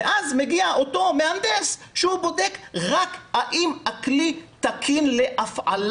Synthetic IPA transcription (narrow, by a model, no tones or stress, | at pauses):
eʔazme̞ɡiaʔo̞to̞meand̪esʃehubo̞dekʁakaʔimaklit̪akʰinle̞ʔafʕa̰l